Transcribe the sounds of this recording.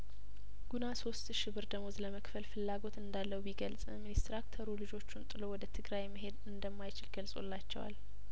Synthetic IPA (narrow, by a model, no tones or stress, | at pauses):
ɡ̥unaso̞st̪ʃɪβɨɾd̪əmozləməkfəlfɨlːaɡo̞t̪ɨnd̪alːəwbiɡəlsʼminist̪ɾakt̪ʰəɾulɨd͡ʒo̞t͡ʃːunt̪ʼɨlowɔd̪ət̪ʰɨɡɾajməɦe̞d̪ɨnd̪əmːajt͡ʃɪlɡəlsʼo̞̰lːat͡ʃːɛwa̰l